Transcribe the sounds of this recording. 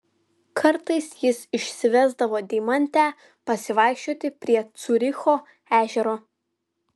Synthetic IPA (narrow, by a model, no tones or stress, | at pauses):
kʰɐɾt̪ɐɪsjɪsɪʃʲsʲɪʋʲɛzd̪ɐʋoːd̪ʲɛɪmɐnʲt̪ʲæː | pɐsʲɪʋɑˑɪkʃʲt͡ʃʲoːt̪ʲɪpʲɾʲiɛt̪sʊɾʲɪxoː | æːʒʲɛɾoː